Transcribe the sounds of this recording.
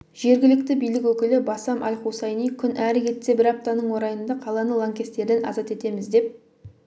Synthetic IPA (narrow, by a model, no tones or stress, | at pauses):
ʒ̥e̞ɾɡʲɪlɪk̚t̪ɪbijlɪkʲwɵkʲɪlɪbɑsɑmʔɑ̰lʲχusɑjnijkʲʰʏnʔæɾɪkʲʰe̞t̪se̞bɪɾɑp̚t̪ɑnəɴwo̞ɾɑjənd̪ɑqʰɑlˠɑnəlˠɑŋkʲe̞st̪e̞ɾd̪e̞nɑ̰zɑt̪e̞t̪e̞mɪzd̪e̞p̚